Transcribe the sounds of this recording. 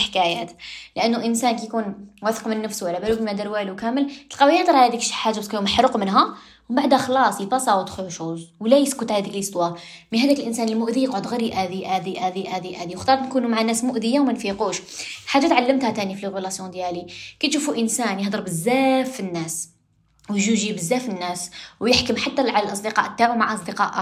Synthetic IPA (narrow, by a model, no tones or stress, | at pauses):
ħkæjæt̪ləʔənːuʔənsænkæjkunwæθə̥qmənːəfswlːæbælukmæd̪əɾwæluwkæməlt̪əlqɑwijəhd̪ˤɾˤhæd̪ikʃħaʒːabæskæjumħɾuqmənɦæ | wbaʕd̪hæxlɑsˤjət̪ɑsˤɑwət̪xʊʃuzwlæjəskʊt̪ʕalæd̪iklist̪wɑminhæd̪ikəlʔənsænəlmʊʔd̪ijəqʕod̪ɣæɾiʔæd̪iʔæd̪iʔæd̪iʔæd̪iʔæd̪iwxt̪ɑɾˤɑt̪nkunumaʕanːæsmʊʔd̪əjawmænfiquʃlħaʒːat̪ʕalːəmt̪hæt̪ænifilɣulɑsjɔ̃d̪jælikæt̪ʃufuʔənsænjəhd̪ˤəɾˤbəzːæfənːæs | wjʒuʒibəzːæfənːæswjəħkəmħat̪ːæʕalælʔɑsˤd̪əqɑ̰ʔət̪ːaʕumaʕʔɑsˤd̪əqɑʔ